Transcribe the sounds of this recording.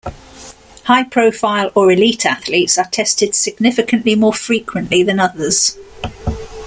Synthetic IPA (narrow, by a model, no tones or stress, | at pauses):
haɪpʰɹ̥əʊfaɪləɹɪliˑtʰaθliˑtsətʰɛstɪd̥sɪɡ̚nɪfɪkʰə̃nʔlimɔːfɹiˑkʰwə̃nʔliðə̃nʌðəz̥